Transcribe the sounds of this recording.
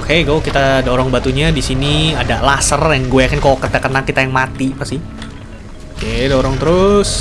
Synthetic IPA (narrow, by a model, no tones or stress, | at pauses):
okeɡokit̪aːdoɾɔŋbat̪uɲadisiniadalasərjaŋɡuekankokət̪akənakːit̪ajaŋmat̪ipasi | okedoɾɔŋt̪əɾʊs